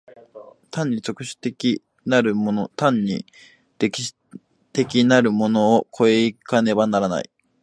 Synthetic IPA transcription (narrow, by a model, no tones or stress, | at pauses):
t̪ãɲ̟ːit͡ɕo̞kɯ̟ɕɨ̥t̪ekʲi | naɾɯ̟monot̪ãɲːḭ | d̪̥ekʲi̥ɕ | t̪e̞kʲinaɾɯ̟mo̞noːkʰo̞eikane̞banaɾana̰ḭ